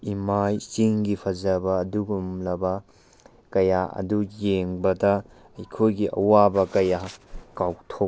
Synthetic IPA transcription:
imajsiŋɡipʰɐzɐbɐːduɡumlɐbɐ | kɐjaʔɐ̰dujeŋbɐtɐ | ɐjkʰojɡiʔɐ̰wabɐkɐjakawktʰo

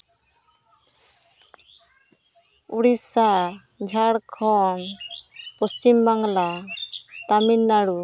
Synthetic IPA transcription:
uɽisa | d͡ʒʱaɽkʰɔn | pɔst͡ʃimbaŋla | t̪aminːaɽu

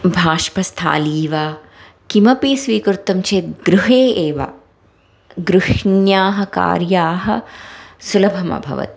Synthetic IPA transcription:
bʱaːʃpɐst̪ʰa̰ːliːʋaː | kimɐpisʋiːkɾut̪ːɐmt͡ʃʰeːt̪̚ɡɾuɦeːeːʋɐ̰ | ɡɾuʃɳjaːɦɐ̆ka̰ːɾjaːɦɐ̆sulɐbʱɐmɐ̰bʱɐ̰ʋɐ̰t̪i̥

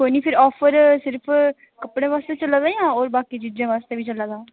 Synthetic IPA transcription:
koːiniːpʰɪɾɔːfʰəɾsɪɾpʰ | kəpɽẽːʋaːst̪eːt͡ʃəlaːd̪ajãːɔːɾbaːkiːd͡ʒiːd͡ʒãːʋaːst̪eːʋiːt͡ʃəlaːd̪ãː

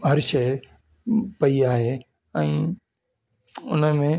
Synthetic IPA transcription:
ɦɐɾʃɐɪ | pɐiaːɦeː | ɛ̃ː | ʊ̰nəmẽ

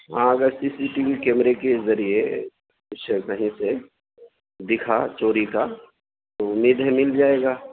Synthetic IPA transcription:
ɦãɐɡəɾsisiʈiʋikɛːmɾekezɐɾie | ʊsekɐɦĩse | d̪ɪkʰat͡ʃoːɾika | t̪oʊmiːd̪ɦɛ̃mɪld͡ʒaːeːɡaː

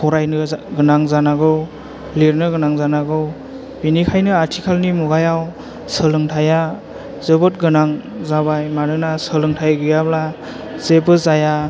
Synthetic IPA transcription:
kʰɔɾajnɯɡɯnaŋzanaɡɯw | leɾnɯɡɯnaŋzanaɡɯw | binikʰajnɯatʰikʰalnimuɡajaw | səlɯŋtʰaja | zɯbɔt̚ɡɯnaŋ | zabajmanɯnasəlɯŋtʰajɡɯjabla | zebɯzaja

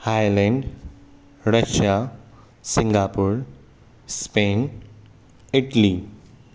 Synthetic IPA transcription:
haːjlɛ̃ɳɖ | ɾɐʃa | sɪ̃ŋɡaːpuːɾ | speːn | ɪʈəli

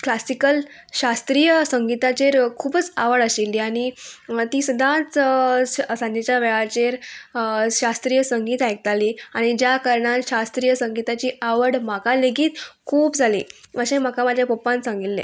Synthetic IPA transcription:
klasikəl | ɕast̪ɾijəsəŋɡit̪at͡ɕeɾkʰuːbət͡sa̰ʋəɽəɕelːiaɽ̃it̪iːsud̪ʱãt͡s | sãnat͡ɕjaʋɛɭat͡ɕeɾ | ɕast̪ɾiːjəsəŋɡiːt̪ajk̚t̪aliːaɽ̃id͡ʑjakəɾɳãɕast̪ɾijəsəŋɡit̪at͡ɕiːaʋəɽmakãleɡiːt̪kʰuːpd͡zʱalḭːəɕẽm̤akãmad͡ʑʱjapəpãnsãŋɡit̪lḛ̃

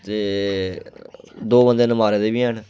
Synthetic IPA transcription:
t̪eː | d̪oːbənd̪eːnəmaːɾeːd̪eːbiːɦəɳ

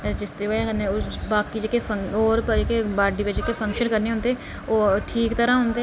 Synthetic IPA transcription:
d͡ʒɪst̪eːeənebaːkiːd͡ʒekepʰəoːɾpekebaːɖiːped͡ʒekepʰə̃ŋkʃənkəɾneːɦoːnd̪eː | oːʈʰiːkt̪əɾãːɦʊ̃ːnd̪e

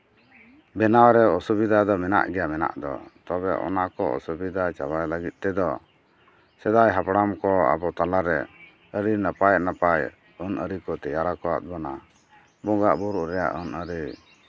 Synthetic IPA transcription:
bɛnawɾɛɔsubid̪ad̪ɔmɛna̰ʔɡɛjamɛna̰ʔd̪ɔ̰t̪ɔbɛʔɔ̰naʔkɔʔɔ̰subid̪ajt͡ʃa̰bajləɡit̪̚ˀt̪ɛd̪ɔ | sɛd̪ajɦapɽamkɔa̰bɔt̪alaɾɛ | əɾinəpajʔnapaj | ɔnəɾikɔt̪ɛjaɾakɔwa̰t̪̚bɔna | bɔɡaʔbuɾuɾɛja̰ʔɔnəɾi

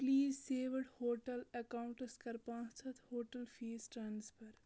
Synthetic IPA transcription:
pliːzseːʋɖhoːʈɐlɐkaʊ̃ɳʈəskɐɾpãːt͡ʃʰɐt̪hoːʈəlfiːsʈɾãːnspɐɾ

